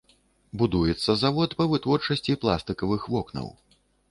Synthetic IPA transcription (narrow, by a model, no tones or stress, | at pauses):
bud̪ujɛt̪sːɐzavɔt̪pɐvɨt̪vɔrt͡ʂɐsʲt͡sʲiplˠa̰st̪ɨkɐvɨxvɔknɐ̰w